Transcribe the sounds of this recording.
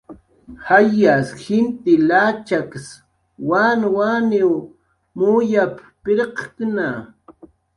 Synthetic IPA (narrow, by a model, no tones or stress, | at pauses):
hajasxɪnt̪ɪlat͡ʃaks | wanwaniw | mujap | pɪɾqkna